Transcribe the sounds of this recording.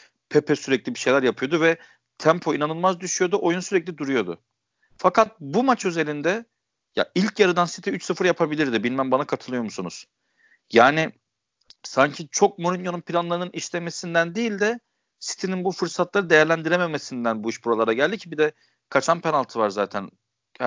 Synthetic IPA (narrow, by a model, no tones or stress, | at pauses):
pʰepʰɛsyɾɛclʲibiʃe̞jlʲæɾjapʰɯjod̪uvɛ | t̪ʰæmpʰo̞inanɯlˠmazd̪yʃyjo̞d̪uʔo̞junsyɾɛclʲid̪uɾujo̞d̪ʊ̰ | fakat̪̚bumat͡ʃyze̞lind̪ɛ | ja̰ilʲcjaɾɯd̪ansi̥t̪ʰiyt͡ʃsɯfɯɾjapʰabilʲiɾd̪ɪbilʲmæmbanakʰat̪ʰɯlˠɯjo̞musunuz̥ | jaːnɪ | saɲcʰit͡ʃʰok̚moɾʲinjo̞nunpʰilʲanlˠaɾɯnɯniʃlʲeme̞sind̪ænd̪iilʲd̪ɛ | si̥t̪ʰininbufɯɾsat̪lˠaɾɯd̪e̞jæɾlʲænd̪iɾeme̞mesind̪ænbuiʃbuɾolˠaɾaɟælʲd̪icʰibid̪ɛ | kʰat͡ʃʰanpenalˠt̪ʰɯvaɾzaːt̪ʰæn